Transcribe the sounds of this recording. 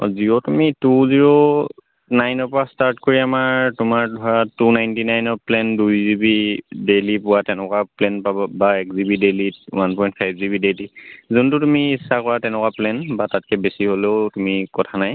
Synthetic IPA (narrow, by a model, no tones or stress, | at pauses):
ɔ̰ziɔtumituziɹɔ | najnɔpɔastaɹtkoɹiamaɹtʊmaɹdʱɔɹatunajntinajnɔplɛndujzibidelipʊwatɛnɛkwaplɛnpabɔbaɛkzibideliwanpɔjnt̚pʰajbzibidelizuntʊtumiːsːakɔɹatɛnɛkwaplɛnbatat̚kɛbesiɦoleʊtumikɔtʰanaj